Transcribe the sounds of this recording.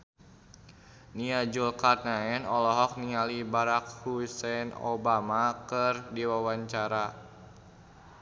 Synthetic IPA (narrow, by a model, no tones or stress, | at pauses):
niad͡ʒulkarnaɛnɔlɔɦɔk̚niŋalibaɾak̚husɛno̰bamakərdiwawaɲt͡ʃaɾa